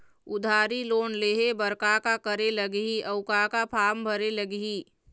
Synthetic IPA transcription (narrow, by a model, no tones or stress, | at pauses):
ʊd̪ʱaːɾiloːnleːɦebəɾkakakəɾeləɡɦiʔɐʊkakapʰaːmbʱəɾeləɡiː